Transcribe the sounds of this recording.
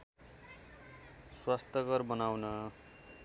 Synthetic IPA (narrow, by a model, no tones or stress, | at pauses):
swast̪ʌɡʌrbʌnawnʌ